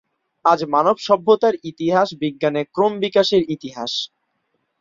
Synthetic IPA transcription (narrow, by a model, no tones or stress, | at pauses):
ad͡ʑmanobʃɔbʱːot̪aɾit̪iɦaʃbiɡːanekɾombikaʃeɾit̪iɦaʃ